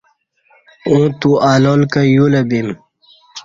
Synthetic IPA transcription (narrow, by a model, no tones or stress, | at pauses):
ũːt̪uaːlolkajulɐbim